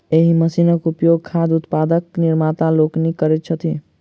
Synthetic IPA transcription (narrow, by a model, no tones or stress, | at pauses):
eɦiməsinəkupjoɡ̚kʰad̪ʊt̪pad̪əknɪɾmat̪aloknikəɾɛt̪̚t͡ʃʰət̪ʰi